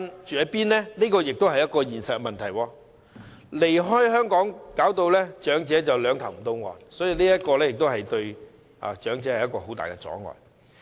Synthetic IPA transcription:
nt͡ʃyː˨jɐ˨˥piː˥nlɛ˥niː˥kɔː˧jɪ˨k̚t̪o˥wɦɐ˨jɐ˥t̚kɔː˧jiː˨˩nsɐ˨t̚kmɐ˨nt̪ʰɐ˨˩jwɔː˧ | le˨˩jɦɔː˥jɦœː˥ŋkɔː˨˥ŋkaː˨˥wt̪o˧wlɛː˥t͡ʃœː˨˥ŋt͡sɛː˨˥t͡sɐ˨wlœː˨˧ŋt̪ʰɐ˨wm̩˨˩t̪o˥wŋɔ̰ː˨nsɔː˨˥ji˨˧niː˥jɐ˥t̚kɔː˧lɛː˥jɪ˨k̚t̪o˥whɐ˨jt̪ɵ˧ɥ | ʔa̰˨t͡ʃœː˨˥ŋt͡sɛː˨˦hɐ˨jɐ˥t̚kɔː˧ho˨˥wt̪a̰ː˨jkɛ˧t͡sɔ̰ː˨˥ŋɔ̰ː˨˩

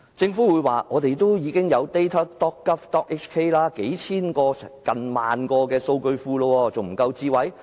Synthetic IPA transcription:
t͡sɪ˧ŋfu˨˥wu˨˧jwaː˨˩ŋɔː˨˧t̪e˨jt̪o˥wjiː˨˧kɪ˥ŋjɐ˨˧wt̪e˥jt̪ʰɐ˥t̪ɔː˥kkːɐ˥p̚t̪ɔː˥k̚ʔe˥kt͡ʃkʰe˥jlaː˥ke˨˥jt͡sʰiː˥nkɔː˧sɛ˨kɐ˨nma̰ː˨nkɔː˧kɛː˧so˧wkɵ˧ɥfuː˧loː˧wɔː˧t͡so˨wm̩˨˩kɐ˧wt͡siː˧˥wɐ˨˥j

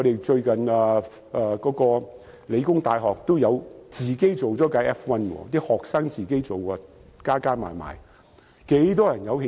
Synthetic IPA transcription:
ɔ˨˧ɾe˨jt͡ʃɵ˧ɥkɐ˨nɐː˨˧ | ʔːkɔː˨˥kɔː˧ | le˨˧jkʊ˥ŋt̪aː˧jɦɔː˨k̚t̪o˥wjɐ˨˧wt͡siː˨ke˥jt͡so˨wt͡sɔː˨˥kɐ˨˥ɛː˥fwɐ˥nkɔ̰ː˧t̪iː˥hɔː˨k̚sɐː˥ŋt͡siː˨ke˥jt͡so˨wɐ˧kaː˥kaː˥ma̰ː˨˩jma̰ː˨˩j | ke˨˥jt̪ɔː˥jɐ˨˩njɐ˨˧whi˧

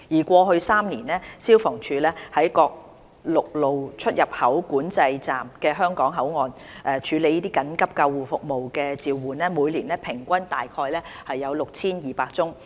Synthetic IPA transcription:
jiː˨˩kʷɔː˧ɦɵ˧saː˥mniː˨˩nlɛː˥siː˥wfɔː˨˩ŋt͡ʃʰyː˨˧lɛː˥hɐ˨˥jkɔː˧k̚ | lʊ˨k̚lo˨wt͡ʃʰɵ˥t̚jɐ˨˩p̚hɐ˨˥wkuː˨˥nt͡sɐ˧jt͡saː˨mkɛː˧ɦœː˥ŋkɔː˨˥ŋɦɐ˨˥wŋɔː˨˩n | ʔɛː˨˧t͡ʃʰyː˨˧le˨˧jiː˥t̪iː˥kɐ˨˥nkɐ˥p̚kɐ˧wːuː˨˩fʊ˨k̚mo˨wkɛː˧t͡siː˨wːuː˨˩nɛː˥muː˨˧jliː˨˩nlɛː˥pʰɪ˨˩ŋkʷɐ˥nt̪aː˨jkʰɔː˧jlɛː˥hɐ˨jːɐ˨˧wlʊ˨k̚t͡sʰiː˥njiː˨˩paː˧k̚t͡sʊ˥ŋ

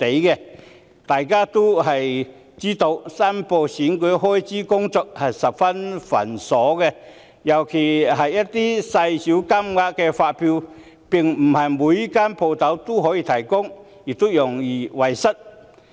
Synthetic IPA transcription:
t̪e˨˥jkɛ˧ | t̪aː˨jkaː˥t̪o˥wɦɐ˨j | t͡siː˥t̪o˧wsaː˥mpo˧siː˨˥nkɵ˨˧˥ɦɔː˥jt͡siː˥kʊ˥ŋt͡sɔː˧k̚hɐ˨jsɐ˨p̚fɐ˥nfɐ̰˨˩nsɔː˨˥kɛ˧ | jɐ˨˩wkʰe˨˩ɦɐ˨jːɐ˥t̚t̪iː˥sɐ˧jsi˨˥wka˥mŋaː˧kkɛ˧faː˧t̚pʰiː˧w | pɪ˨˩ŋm̩˨˩hɐ˨jmuː˨˧˥ji˥kaː˥npʰo˧wt̪ɐ˨˥wt̪o˥ɦɔː˨˧˥jiː˧t̪ʰɐ˨˩jkʊ˥ŋ | jiː˨˩t̪o˥wjʊ˨˩ŋjiː˨˩wɐ˨jsɐ˥t̚

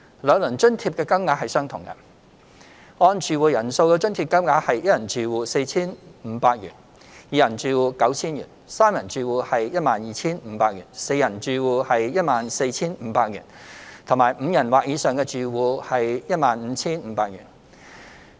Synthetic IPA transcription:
lœː˨˧ŋlɵ˨˩ŋt͡ʃɵ˥nt̪ʰi˧p̚kɛː˧kɐ˥mŋaː˨˥hɐ˨jsœː˥ŋt̪ʰʊ˨˩ŋkɐ̰˧ | ɔː˧nt͡ʃyː˨˧wuː˨˧jɐ˨˩nso˧wkɛː˧t͡ʃɵ˥nt̪ʰiː˧p̚kɐ˥mŋaː˨˧˥hɐ˨jjɐ˥jɐ˨˩nt͡ʃyː˨˩wuː˨˧se˧jt͡sʰiː˥nm̩ː˨˧˥paː˧k̚jy̰ː˨˩n | jiː˨˧jɐ˨˩nt͡ʃyː˨˧wuː˨˧kɐ˨˥wt͡sʰiː˥njy̰ː˨˩nsaː˥mjɐ˨˩nt͡ʃyː˨wuː˨˧hɐ˨jjɐ˥t̚maː˨njiː˨t͡sʰiː˥nm̩˨˧paː˧k̚jyː˨˩nse˧jɐ˨˩nt͡ʃyː˨˧wuː˨˧hɐ˨jjɐ˥t̚maː˨nse˧jt͡sʰiː˥nm̩˨˧˥paː˧k̚jy̰ː˨˩nt̪ʰʊ˨˩ŋmaː˨˩jm̩ː˨˧jɐ˨˩nwaː˨k̚jiː˨˧sœː˨ŋkɛː˧t͡ʃyː˨wuː˨˧hɐ˨jjɐ˥t̚maː˨nm̩ː˨˧˥t͡sʰiː˥nm̩ː˨˧paː˧k̚jy̰ː˨˩n

